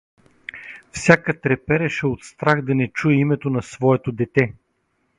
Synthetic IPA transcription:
fsʲakət̪ɾɛpɛɾɛʃɛot̪st̪ɾaxd̪ɐnɛt͡ʃuɛimɛt̪onɐsvɔɛt̪od̪ɛt̪ɛ

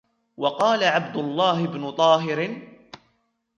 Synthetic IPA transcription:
wɑqɑːlaʕabd̪ʊlˤːɑːɦɪbnʊt̪ˤɑːɦɪɾɪ

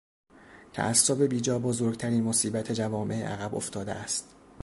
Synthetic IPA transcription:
t̪ʰæ̰ʔæsːobe̞biːd͡ʒɒːbozoːɾɡt̪ʰæɾiːnmosiːbæt̪ʰe̞d͡ʒævɒːmʔe̞ḛʔæ̰ɣæboft̪ʰɒːd̪ḛʔæst̪

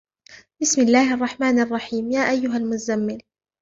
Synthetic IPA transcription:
bɪsmɪlːaːhʔɑrˤːɑħmaːnʔɑrˤːɑħiːmjaːʔajːʊɦalmʊazamːɪl

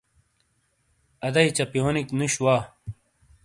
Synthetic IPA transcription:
ɐd̪ɐit͡ɕɐpijoːniknuɕwaː

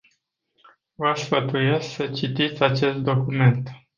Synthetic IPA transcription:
vasfət̪uje̞sksət͡ʃit̪it̪sʲat͡ʃe̞st̪̚d̪o̞kume̞nt̪

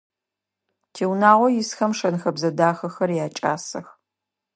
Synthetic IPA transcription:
tʰeːwnaːʁʷɔjɪsxɐmʂɐnxɐbzɐdaːxɐxɐrjaːt͡ʃʼaːsɐ̰x

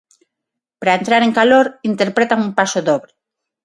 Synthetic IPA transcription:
pɾaent̪ɾaɾeŋkaloɾint̪eɾpɾet̪aŋumpasoðoβɾe

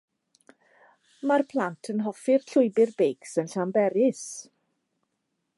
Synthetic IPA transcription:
marpʰlˠantʰənɦɔfɪrɬʊɨbɪrbejksənɬambɛɾɪs

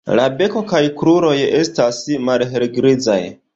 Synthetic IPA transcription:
la̰be̞ko̞kajkɾuɾo̞je̞stasmalɦeɾɡɾid͡za̰j

